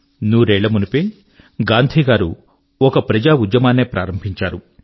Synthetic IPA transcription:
nuːɾeːɭɐmunupeː | ɡaːnd̪ʱiːɡaːɾṵ | ɔkɐpɾɐd͡ʒaːud̪jɐmaːnːeːpɾaːɾɐmbʱiɲt͡ʃaːɾu

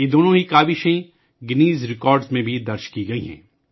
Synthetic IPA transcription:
jed̪oːnõɦikaːʋɪʃẽ | ɡɪniːzɾɪkɔːɾɖzmẽbʱid̪ɐɾʃkiɡɐḭɦɛ̰̃ː

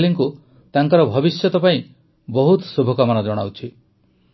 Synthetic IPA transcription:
liŋku | t̪aŋkɔɾɔbʱɔbisjɔt̪ɔpaĩ | bɔɦut̪subʱɔkamanad͡ʒɔɽ̃a̰wt͡ʃʰi

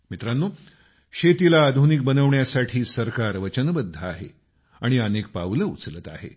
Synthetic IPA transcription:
mit̪ɾanːo | ɕet̪ilaːd̪ʱunik̚bənəʋɳjasaʈʰiːsəɾkaɾʋət͡ɕənbəd̪ʱːəaɦḛ | aɽ̃iənek̚paʋləut͡slət̪a̰ɦḛ

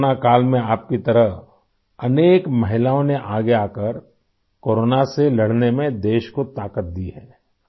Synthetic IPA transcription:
nakaːlmẽaːp̚kit̪ɐɾəɦ | ɐneːkmɐɦɪlaːõneʔaːɡeaːkəɾ | koːɾoːnaselɐɽ̤nemẽd̪eːʃkot̪aːkət̪̚d̪iɦɛː

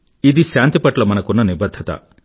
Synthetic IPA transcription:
id̪isjant̪ipɐʈlɐmɐnɐkunɐnibɐd̪ʱːɐt̪a̰

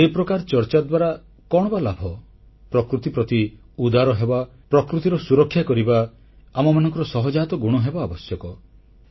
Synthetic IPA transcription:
epɾɔkaɾt͡ʃɔɾt͡ʃad̪waɾa | kɔɽ̃ɔbalabʱɔ | pɾɔkɾut̪ipɾɔt̪i | ud̪aɾɔɦeba | pɾɔkɾut̪iɾɔsuɾɔkʰːjakɔɾibaː | mɔmanɔ̃ŋkɔɾɔsɔɦɔd͡ʒat̪ɔɡuɽ̃ɔɦebaːbɔsjɔkɔ

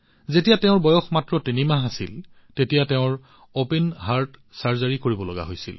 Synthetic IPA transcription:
zetijateʊ̃ɹbɔjɔxmatɹɔtinimaɦasil | tetijateʊ̃ɹ | openɦaɹtsaɹzaɹikoɹibɔlɔɡa̰ɦojsḭl

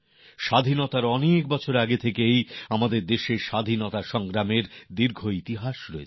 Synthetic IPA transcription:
ʃad̪ʱinot̪aɾɔnek̚bɔt͡ɕʰoɾaɡet̪ʰekejamad̪eɾd̪eʃeɾʃad̪ʱinot̪aʃɔŋɡɾameɾd̪iɾɡʱoit̪iɦaʃɾɔe

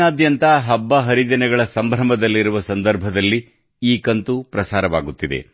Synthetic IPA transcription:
aːd̪jɐnt̪ɐɦɐbːɐɦɐɾid̪ɐnɛɡɐɭɐsɐmbʱɾɐmɐd̪ɐlːiɾuʋɐsɐnd̪ɐɾbʱɐd̪ɐlːi | iːkɐnt̪upɾɐsaːɾɐʋaːɡut̪ːid̪ḛ

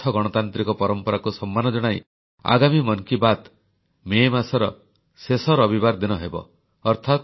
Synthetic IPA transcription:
ɔɡɔɽ̃ɔt̪ant̪ɾikɔpɔɾɔmpɔɾakusɔmːanɔd͡ʒɔɽ̃aj | a̰ɡamimɔnkibat̪ | memasɔɾɔ | sesɔɾɔbibaɾd̪inɔɦebɔ̰ | ɔɾt̪ʰat̪

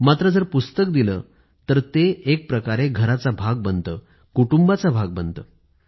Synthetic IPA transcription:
mat̪ɾəd͡zəɾpust̪əkd̪ilə̰ː | t̪əɾt̪eːk̚pɾəkaɾeɡʱəɾat͡sabʱaɡ̚bənt̪əː | kuʈumbat͡sabʱaɡ̚bənt̪əː

